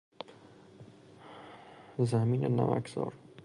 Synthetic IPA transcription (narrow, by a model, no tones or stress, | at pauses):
zaminanava̰kz̥ɒ̰ɾ